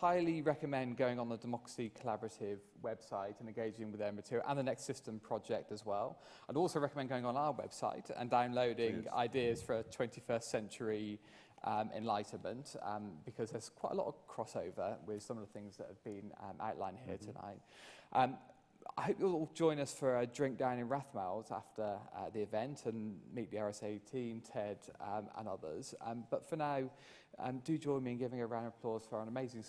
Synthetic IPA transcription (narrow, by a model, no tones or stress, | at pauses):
haɪliɹɛkəmɛ̃nɡəʊɪ̃ŋə̃nðədəmɒkɹə̥sikʰəlabəɹətʰɪv | wɛb̥saɪtʰə̃nɛ̃nɡeɪd͡ʒɪ̃ŋwɪðɛ̃mətʰʉʔə̰̃nðənɛkstsɪstə̃mpʰɹ̥ɒd͡ʒɛk̚təzwɛlˠ | aɪdɔˑlˠsəʊɹɛkəmɛ̃nɡoʊɪ̃ŋə̃naʊəwɛ̰b̥sa̰ɪtʰə̰̃ndãʊ̃nləʊdɪ̃ŋa̰ɪdɪəz̥fəɹətʰw̥ɛ̃ntifɜˑstsɛ̃nt͡ʃəɹi | ʔʌ̃mʔɛ̰ɪ̰̃nlaɪʔn̩mə̃nʔʌ̰̃mb̥ɪkʰʌzðəz̥kʰw̥aɪtə̰lɒ̰təv̥kʰɹ̥ɒsəʊvəwɪð̥sʌ̃məvðəθɪ̃ŋzðəthəvbĩnʌ̰̃mʔa̰ʊʔlã̰ɪ̃nhɪətʰəna̰ɪt̚ʔʌ̃m | a̰ɪhoʊp̚jullˠd͡ʒɔ̃ɪ̃nʌsfəɹədɹɪ̃ŋk̚d̥ãʊ̃nɪ̃nɹaθmaɪlˠza̰ftəʌ̰ðiɪvɛ̃ntʰə̃nmiˑʔðiɑɹɛseɪtʰĩmtʰɛdʌ̃mə̰̃nʌðə̰z̥ʌ̰̃mb̥ʌtfənaʊ | ʔʌ̰̃mdəd͡ʒɔ̃ɪ̃nmiə̃nɡɪvɪ̃ŋəɹãʊ̃nəpʰl̥ɔːz̥fəɹə̃nəmeɪzɪ̃ŋ